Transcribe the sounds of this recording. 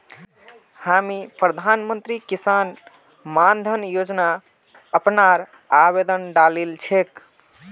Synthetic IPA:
hamipɾəd̪ʱanmənt̪ɾikisan | mand̪ʱənjod͡ʒna | əpnaɾ | aβed̪ənɖalilt͡ʃʰek

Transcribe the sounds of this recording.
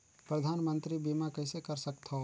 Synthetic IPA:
pɾɐd̪ʱaːnmə̃nt̪ɾibimakəɪsekɐɾsɐk̚t̪ʰo

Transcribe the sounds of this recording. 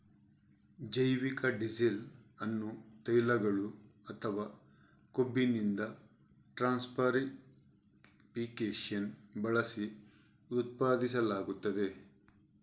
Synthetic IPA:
d͡ʒɐjʋikɐɖizilɐnːut̪ɐjlɐɡɐɭuɐt̪ʰɐʋaː | kobːinind̪ɐ | ʈɾaːnspʰɐɾi | piːkeːʂɐnbɐɭɐsi | ut̪̚paːd̪isɐlaːɡut̪ːɐd̪e̞

